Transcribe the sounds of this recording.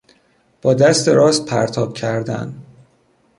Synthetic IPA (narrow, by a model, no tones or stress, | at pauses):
b̥ɒːd̪æst̪eɾɒːst̪̚pʰæɾt̪ʰɒːb̥cʰæɾd̪æ̰n